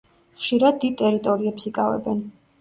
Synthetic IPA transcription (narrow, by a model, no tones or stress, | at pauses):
χʃiɾad̪̚ːid̪̚t̪ʼɛɾit̪ʼɔɾiɛpsikʼavɛ̰bɛn